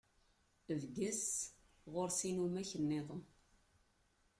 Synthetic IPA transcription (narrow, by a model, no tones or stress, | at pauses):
əvɡəs | ʁoɾsinumæçənːeðˤəm